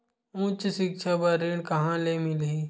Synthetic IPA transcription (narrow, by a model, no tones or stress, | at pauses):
ũːt͡ʃsɪkʃʰabəɾeɳkɐɦãlemɪli